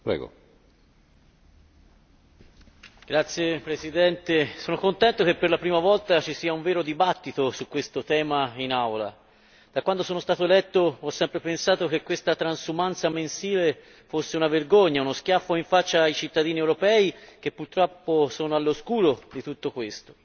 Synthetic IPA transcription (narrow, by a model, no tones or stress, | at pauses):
pɾɛ̰ːɡo̰ | ɡ̥ɾat̪sːjepɾesid̪ɛnt̪esoːnokont̪ɛnt̪okepːerlapɾiːmavɔlt̪at͡ʃisiːauɱveːɾod̪ibat̪ːit̪osukwest̪ot̪ɛːmainawla̰ | d̪̥akwand̪osoːnost̪aːt̪oelɛt̪ːoɔsːɛmpɾepensaːt̪ok̟ekːwest̪at̪ɾansumant̪samensiːle | fosːeunaverɡoɲːaunosk̟jafːoiɱfat͡ʃːaːijt͡ʃit̪ːad̪iːniewɾopɛːik̟epːurt̪ɾɔpːosɔːnoalːoskuːɾod̪it̪ut̪ːokwest̪o̥